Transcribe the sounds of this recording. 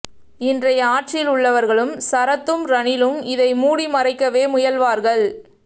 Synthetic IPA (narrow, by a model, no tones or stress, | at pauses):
ɪndrɐjɐaːʈ̚t͡ʃɪlʊɭːɐʋɐɾɣɐɭɯmsɐɾɐt̪ːɯmɾɐnɪlɯmɪðɐɪmuːɽimɐrɐɪkːɐʋeːmʊjɐlʋaːɾɣɐɭ